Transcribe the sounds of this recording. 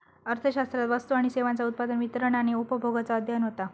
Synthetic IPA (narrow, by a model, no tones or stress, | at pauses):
əɾt̪ʰəɕast̪ɾat̪ʋəst̪uaɽ̃iseʋant͡saut̪̚pad̪ənʋit̪əɾəɳaɽ̃iupəbʱoɡat͡saəd̪ʱjanɦot̪a